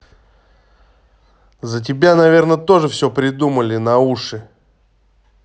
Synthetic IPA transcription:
zət̬ʲɪbʲanɐvʲe̞rnət̪o̞ʐɨfsʲopɾʲɪd̪uməlʲɪnɐuʂɨ

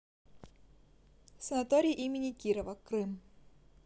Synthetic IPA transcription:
sɐnɐt̪oɾʲijʔimʲɪnʲikʲiɾəvɐkɾɨm

